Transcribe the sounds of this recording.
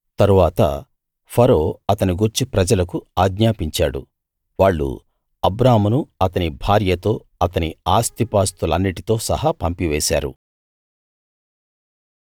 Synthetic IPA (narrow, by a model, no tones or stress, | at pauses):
t̪ɐɾuʋaːt̪ɐ̰ | pʰɐɾoːɐt̪ɐniɡuɾt͡ʃipɾɐd͡ʒɐlɐkuaːɡɲaːpiɲt͡ʃaːɽṵ | ʋaːɭːṵ | ɐbɾaːmɐnuɐt̪ɐnibʱaːɾjɐt̪o̞ː | ɐt̪ɐniaːst̪ipaːst̪ulɐnːiʈit̪o̞ːsɐ̰hapɐmpiʋɛːsa̰ːɾṵ